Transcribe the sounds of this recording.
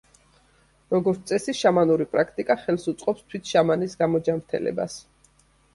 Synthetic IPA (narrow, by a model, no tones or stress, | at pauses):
ɾɔɡɔɾt̪sʼɛsiʃamanuɾipʼɾakʰt̪ʼikʼaχɛlˠsut̪sʼqʼɔpst̪ʰwit̪ʰʃamanisɡamɔd͡ʒamt̪ʰɛ̰lɛ̰ba̰s